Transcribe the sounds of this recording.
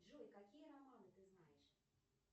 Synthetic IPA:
ʐujʲkakʲijɐɾamɔnɨt̪ɨznajɛʂ

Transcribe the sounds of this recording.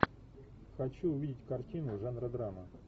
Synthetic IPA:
xɐt͡ɕuʊvʲidʲɪtʲkɐrtʲinʊʐanɾəd̪ɾamə

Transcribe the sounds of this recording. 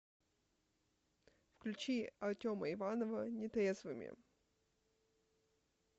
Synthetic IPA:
fklʲʉt͡ɕiɐrtʲoməɪvanəvənʲɪt̪ʲezvɨmʲɪ̰

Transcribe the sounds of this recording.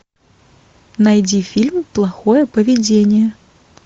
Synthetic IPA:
najd͡zʲifʲilʲmplˠaxɔjɛpɐvʲɛd͡zʲenʲjɛ

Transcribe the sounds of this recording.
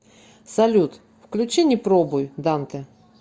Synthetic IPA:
sɐlʲut̪ | fklʲʉt͡ɕenʲɪjpɾobʊjd̪ant̪ɨ

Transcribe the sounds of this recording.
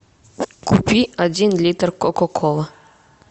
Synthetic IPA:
kʰupʲiadʲinlʲit̪rkokokʰolˠə

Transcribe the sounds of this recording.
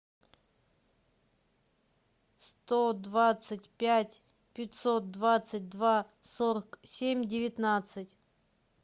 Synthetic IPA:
st̪od̪vat̪sɨtʲpʲætʲ | pʲɪtʲso̞t̪̚d̪vat̪sɨt̚ʲd̪va | soɾəksʲemʲdʲɪvʲɪt̪nat̪sɨtʲ

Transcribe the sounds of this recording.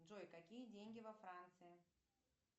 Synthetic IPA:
ʐojkɐkʲijədʲenʲɡʲɪvɐfɾant̪sɨjɪ

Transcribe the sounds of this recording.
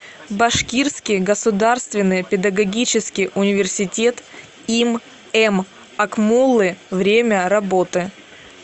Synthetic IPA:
bɐʂkʲirskʲɪjɡəsʊd̪arst̪vʲɪnːɨjpʲɪd̪ɐɡɐɡʲit͡ɕɪskʲɪjʔʊnʲɪvʲɪrsʲɪtʲe̞t̪ | im | ɛm | ɐkmulˠːɨvɾʲemʲəɾɐbot̪ɨ

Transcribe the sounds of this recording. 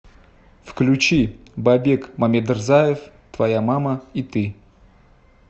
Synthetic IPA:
fklʲʉt͡ɕibabʲekmamʲed̪ɨrzajɪf | t̪vɐjamaməit̪ɨ

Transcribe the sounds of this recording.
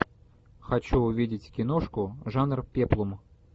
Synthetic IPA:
xat͡ɕuʊvʲidʲɪtʲkʲɪnoʂkʊʐanrpʲeplˠum

